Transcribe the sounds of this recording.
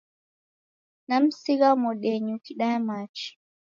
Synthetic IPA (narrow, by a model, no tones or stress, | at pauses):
nam̩siɣamɔɗɛɲukiɗamat͡ʃi̥